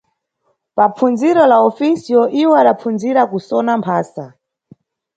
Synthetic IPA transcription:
papp͡fʰund͡ziɾɔlaɔfisijɔʔiwɛaɗap͡funziɾakusɔnampʰaːsa

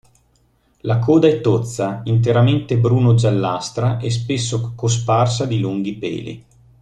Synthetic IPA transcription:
lakʰoːd̪aɛt̪ːot̪sːaint̪̬eɾament̪ebɾuːnod͡ʒalːast̪ɾaʔes̬pesːokosparsad̪iluŋɡ̟ipɛ̰ːlḭ

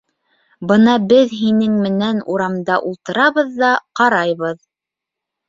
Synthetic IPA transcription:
bɤnɑbɘðɦinɘŋmɘ̆nænuɾɑmd̪ɑʔulˠt̪ɤ̆ɾɑβɤ̆ðːɑqɑɾɑjβɤð

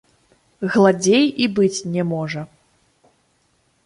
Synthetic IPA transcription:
ɣlˠad͡zʲejibɨt͡sʲnʲɛmɔʐɐ

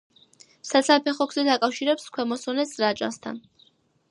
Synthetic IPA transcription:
sat̪sʰapʰɛχɔɡzɛd̪akʼafʃiɾɛpskʰwɛmɔsɔnɛszɾat͡ʃʼa̰st̪ʰa̰n

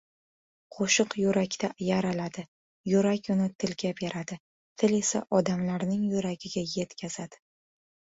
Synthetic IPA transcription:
qʰoʃɨqjʊɾakʲt̪ʰajaɾalad̪ɪ | jʊɾakʲʊnɪt̪ʰɪlɡʲapjaɾad̪ɪ | t̪ʰɪle̞sa̰ʔɒd̪amlaɾnɪŋjʊɾaɡʲɪɡʲaje̞t̪kʲʰaz̥ad̪̥ɪ̥

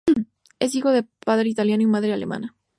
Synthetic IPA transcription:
e̞s̬ixo̞ðepaðɾe̞it̪aljanoimaðɾeale̞̰ma̰na

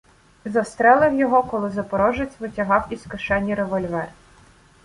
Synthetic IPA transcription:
zɐst̪ɾɛlˠɪwjɔɦɔkɔlˠɪzɐpɔɾɔʒet͡sʲʋɪtʲɐɦɑwiskʊʃɛnʲːiɾeʋɔlʲʋɛr

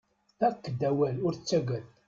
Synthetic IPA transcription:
ækːd̪æwælʊɾt͡sːæɡæθ

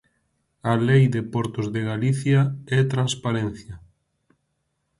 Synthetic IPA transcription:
alejd̪epɔɾt̪ʊzðeɣaliθjaɛt̪ɾanspaɾenθjɐ

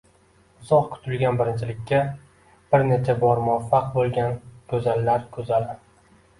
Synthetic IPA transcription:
ɪzɒqkʰʊ̥t̪ʰʊlɡʲanbɪɾɪnt͡ʃʰɪlɪkʲːa | b̥ɪɾne̞t͡ʃʰabɒɾmʊafːɑq̚bolˠɡʲankʰɵzalːaɾkʰɵzalɪ

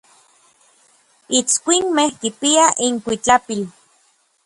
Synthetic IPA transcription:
it͡skʷinmehkipiaʔiŋkʷit͡ɬapil

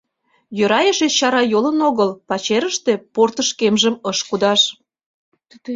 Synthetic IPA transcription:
jøɾɑjəʃet͡ɕɑɾɑjolənoɣəlpɑt͡ɕeɾəʃt̪e̽port̪əʃkemʒəməʃkud̪ɑʃ

